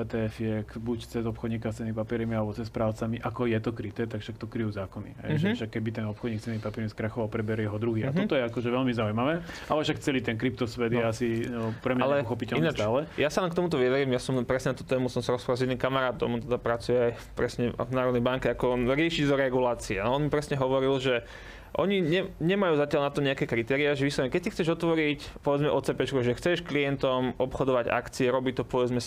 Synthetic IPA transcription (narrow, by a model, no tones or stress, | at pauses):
ɛt̪ɛɛfjɛkbuct͡sɛzɔpxɔd̪ɲiːkast͡sɛnimipapiɛɾmialɛbɔt͡sɛspɾaːʊt͡samiʔakɔjɛt̪ɔkɾit̪ɛt̪akʃakt̪ɔkɾijuːzaːkɔnḭɦɛ̰ʒɛfʃakːɛbit̪ɛnɔpxɔd̪ɲikst͡sɛnimipapiɛɾmiskɾaxɔʋaʊpɾɛbɛɾjɛɦɔd̪ɾuɦiːa̰tɦ̪ɔt̪ɔjɛakɔʒɛʋɛlmizaujmaʋɛːʔalɛfʃakt͡sɛliːt̪ɛnkɾip̚t̪ɔsʋɛd̪jɛasipɾɛɲalɛpɔxɔpicɛlinaaːlɛjasalɛnkt̪ɔmut̪̬ɔʋiadɾimjasɔmpɾɛsɲɛnat̪uːt̪ɛːmusɔmsaɾɔspɾalzɛd̪nːimkamaɾaːt̪ɔ̰mɔnt̪ɛd̪apɾat͡sujɛaj | pɾɛsɲɛvnaːɾɔd̪nɛjbaŋkɛakɔɾɪɛʃiɟzɔɾɛɡulaːt͡siɛnɔɔnmipɾɛsɲɛɦɔʋɔɾilʒɛ | ʔɔɲiɲɛɲɛmajuːzacɪalnat̪ɔɲɛakɛːkɾit̪ɛːɾiaʒɛʋislaɲɛkɛc̚sixt͡sɛʒɔt̪ʋɔɾicpɔʋɛd͡zmɛʔɔt͡sɛpɛt͡ʃkɔʒɛxt͡sɛʃklijɛnt̪ɔmɔpxɔd̪ɔʋaɟa̰kt͡siɛɾɔbit̪ɔpɔʋɛd͡zmɛ